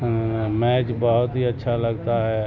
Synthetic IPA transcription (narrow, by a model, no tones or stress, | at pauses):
mɛt͡ʃbəɦʊt̪ɦiətːʃʰaləɡt̪aɦɛ